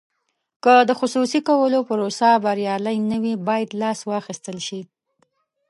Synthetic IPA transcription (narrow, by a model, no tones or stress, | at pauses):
kəd̪əxʊsusikawəlopəɾosabaɾjɑlajnəwibɑjad̪lɑswɑxist̪əlʃi